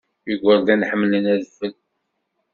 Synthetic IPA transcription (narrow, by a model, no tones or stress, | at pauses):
jəɡʷəɾd̪ænħəmːlənæðəfəl